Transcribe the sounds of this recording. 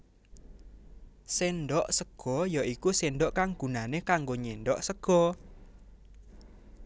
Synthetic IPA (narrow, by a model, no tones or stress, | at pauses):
senɖɔʔsəɡ̥ɔjaʔikusenɖɔʔkaŋɡ̥ṳnanekaŋɡoɲeɳɖɔʔsəɡ̥ɔ